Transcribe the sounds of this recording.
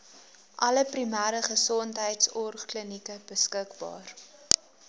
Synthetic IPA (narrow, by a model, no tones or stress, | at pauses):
ʔɐləprimæːɾəχəsɔntɦəjtsɔrχklənikəb̥əskəkbɑ̰ːr